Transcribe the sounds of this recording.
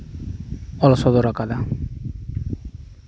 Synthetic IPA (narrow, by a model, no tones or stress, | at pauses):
ɔlasɔd̪ɔɾakad̪a